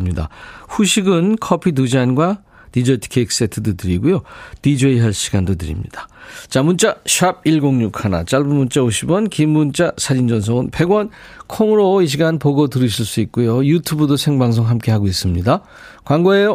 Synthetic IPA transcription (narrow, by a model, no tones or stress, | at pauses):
mɲida̰ɸuɕʰiɡɯnkʰʌpʰit̬ud͡ʑanɡwa | tid͡ʑʌtʰkʰek̚s͈e̞tʰɯdotɯɾiɡujotid͡ʑʌiɦʌɭɕʰiɡandot̬ɯɾḭmɲḭd̥ḁt͡ɕamunt͡ɕ͈aɕʰab̚iɭɡoŋɲukʰana̰t͡ɕ͈aɭbumunt͡ɕ͈aoɕʰibʌnkimːunt͡ɕ͈asʰaɾind͡ʑʌns̬ʰʌŋɯnpe̞ɡwʌnkʰoŋɯɾoiɕ̬ʰiɡanpoɡotɯɾiɕʰiɭs͈uit̚k͈ujojutʰubɯdosʰe̞ŋbaŋs̬ʰoŋɦamk͈e̞ɦaɡois͈ɯmɲida | kwaŋɡoe